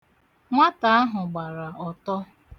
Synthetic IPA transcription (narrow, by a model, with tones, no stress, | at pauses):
ŋʷa˦ta˨a˦ɦʊ˨ɡ͡ba˨ɾa˨ɔ˨tɔ˦